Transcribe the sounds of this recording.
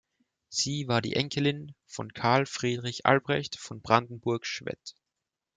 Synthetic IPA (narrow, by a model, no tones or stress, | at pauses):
z̥iːvaːɐdḭːʔɛŋkʰəlɪnfɔnkʰaɐlfʁ̥iːdʁɪçʔa̰lbʁɛçtfɔnbʁandn̩bʊɐkʃv̥ɛ̰t